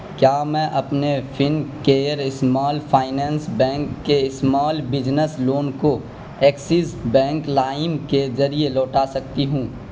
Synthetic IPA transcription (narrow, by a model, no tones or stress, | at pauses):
kjaːmɛ̃ːʔɐpnefʰɪnkeːəɾɪsmaːlfʰaːɪnɛ̃ːnsbɛ̃ːŋkːeɪsmaːlbɪd͡ʒnəsloːnko | ɛːksɪsbɛ̃ːŋklaːɪmkezɐɾielɔːʈaːsɐk̚t̪iɦũː